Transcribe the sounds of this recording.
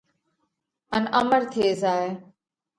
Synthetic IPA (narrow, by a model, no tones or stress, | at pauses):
ənəməɾt̪ʰeːzaːeː